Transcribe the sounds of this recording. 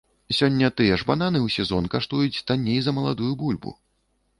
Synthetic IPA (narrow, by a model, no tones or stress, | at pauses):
sʲɔnʲːɐt̪ɨjɛʐbananɨwsʲɛzɔnkaʂt̪ujut͡sʲt̪anʲejzɐmɐlˠad̪ujubulʲbṵ